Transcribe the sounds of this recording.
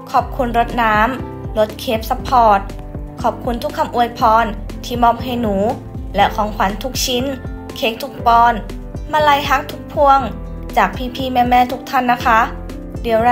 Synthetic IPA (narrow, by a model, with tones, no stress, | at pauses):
kʰɔː˨˩p̚kʰu˧˥nɾo˦˥t̪̚naː˦˥m | lo˧˦˥t̪̚kʰeː˦˥p̚sa˧pʰɔː˧˩t̪̚ | kʰɔː˨˩p̚kʰu˧˥nt̪ʰu˦˥kʰːa˧˩mʔu˧˩əjpʰɔː˧n | t̪ʰiː˧˩mɔː˧˩m̚ɦa˧˩jnuː˩˦ | lɛ˦˧˥kʰɔː˩˦ŋkʰa˨˩˦nt̪ʰu˦˥k̚t͡ɕʰi˧˦˥n | kʰeː˦˥k̚t̪ʰu˧˥k̚pɔː˧n | maː˧˥˩la˧˩jɦa˦˥k̚t̪ʰu̥˧˦˥k̚pʰu˧əŋ | t͡ɕaː˨˩k̚pʰiː˧˩pʰiː˧˩mɛː˧˩mɛː˧˨t̪ʰu˦˥k̚t̪ʰa˥˩˨nːa˦˥kʰa˦˥ | di˨˩˦əw